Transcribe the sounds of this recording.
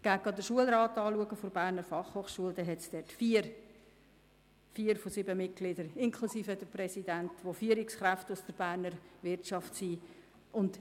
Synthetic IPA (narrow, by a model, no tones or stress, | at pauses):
ɡ̥æːk̚ɑd̪əʃuəlɾɑːtɑːluəɡəfoɾbæːɾnəɾfɑχhoːχʃuəldɛɦɛtsd̥ɛtfiːɾ | fiːəɾfosybəmɪt̚ɡ̥lɪdəɾɪŋkʰlusiːfədəɾprɛsidæntʋofyːəɾɪksχɾæftʊsd̥əɾb̥æːɾnəɾʋɪɾtʃɑftsiː | ʔʊnd